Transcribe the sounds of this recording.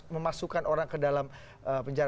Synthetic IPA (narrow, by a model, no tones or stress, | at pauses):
məmasukanʔoɾaŋkədalam | əpəɲd͡ʒaɾ